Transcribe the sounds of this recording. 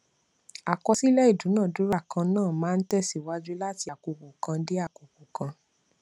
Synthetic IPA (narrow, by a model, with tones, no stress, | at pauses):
a˨kɔ˧si˦lɛ˦i˦˨dũ˨˦nãː˦˨du˨˦ɾa˦˨kã˧nãː˦˨mãː˦˧n̩˦tɛ˦˨si˦˨wa˦d͡ʒu˦la˦ti˧a˨ko˨˧ku˨kã˧de˦a˦˨ko˨ku˨kã˧